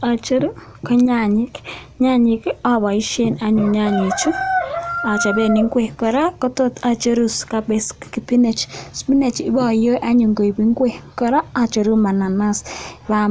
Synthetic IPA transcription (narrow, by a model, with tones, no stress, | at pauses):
a˨t͡ʃo˦ɾu˦ | kɔ˦ɲa˦˨ɲɪ˦k | ɲa˦ɲi˨ka˨βa˨i˦ʃe˦˨na˦ɲu˨ɲa˦ɲi˨t͡ʃu˦ | a˨t͡ʃa˨βe˨ni˦ŋɡwe˨kɔ˨ɾa˦kɔ˦to˦ta˨t͡ʃo˦ɾu˦ska˦be˨skki˨pi˦ne˨t͡ʃspi˦ne˨t͡ʃɪ˦bɔ˨jo˦jʔa˦ɲu˨ŋɡo˨i˨bi˦ŋɡwe˦kɔ˨ɾa˦a˨t͡ʃo˨ɾu˦ma˨na˨na˦sβa˦